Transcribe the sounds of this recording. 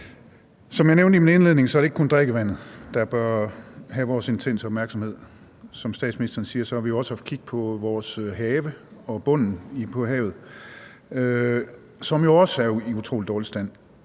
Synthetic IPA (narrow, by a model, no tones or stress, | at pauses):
sɒ̽mjɑ̈neʊnd̥əimine̝nle̝ð̰ˠne̝ŋsɒ̽æɾe̝ɡ̥kond̥ʁeɡ̥əʋæn̰ð̩ˠd̥ɑ̈b̥ɶɐɦæʋɒːse̝nt͡sʰen̰səɒ̽b̥mæɐɡ̥sɒ̽mhe̝ð̰ˠ | sɒ̽msd̥ɛ̰ːd̥sminisd̥ɐːnsiːɐsɒ̽æʋijo̝ɒ̽sɑf̚kʰiɡ̥̚pʰɒ̽ʋɒːsɦɛːʋəɒ̽b̥ɔ̽n̰n̩ipʰɒ̽ɦɛ̰ːʊð̞̩ˠ | ø | sɒ̽mjo̝ɒ̽sæɐiut͡sʰʁo̝̰ːlid̥ɒːlisd̥æn̰